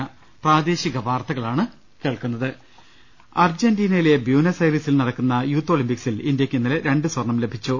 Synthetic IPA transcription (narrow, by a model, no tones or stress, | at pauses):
ɐ | praːd̪e̞ːɕiɣɐʋaːrt̪ɐɣɐɭaːɳɨ | keːɭkunːɐðɨ | ɐrd͡ʑendiːnɐjile̞bjuːnɐsɐjrisilnɐɽɐkːunːɐjuːt̪ːoːlimpiksilind̪jɐkʲːinːileɾe̞ɳɖɨswɐrɳɐmle̞bʱit͡ɕːu